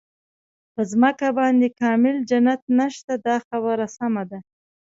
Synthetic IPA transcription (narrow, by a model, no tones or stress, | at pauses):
pəzməkabɑnd̪ekɑmɪld͡ʒanat̪̚naʃt̪ad̪ɑxabəɾasamad̪a